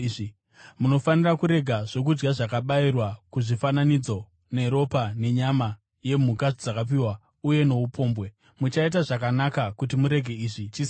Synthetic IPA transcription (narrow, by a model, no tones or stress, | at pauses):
muno̞fanirakuɾe̞ɡʱaʐ̥o̞k̬ud͡ʒɡaʐakaɓairwakuʐifananid͡zo̞ | ne̞ɾo̞pane̞ɲama | je̞m̤ukad͡zakap̬iːwa | uje̞no̞upʰo̞ːmbwe̞ | mut͡ʃaitaʐakanakakutimuɾe̞ɡʱe̞iːʐit͡ʃi